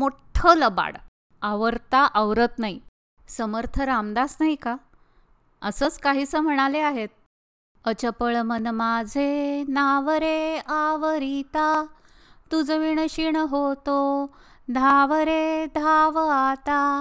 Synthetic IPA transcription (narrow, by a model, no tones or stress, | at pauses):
moʈʰələba̰ɽ | aʋəɾt̪aʔəʋɾət̪nai | səməɾt̪ʰəɾamd̪asnaika | əsəːt͡skaɦiːsəm̤əɽ̃aleaɦet̪̚ | ət͡ɕəpəɭmənmad͡zʱenaʋəɾeaʋəɾit̪a | t̪ud͡zəʋiɳ̃əɕiɳəɦot̪o | d̪ʱaʋəɾed̪ʱaʋat̪a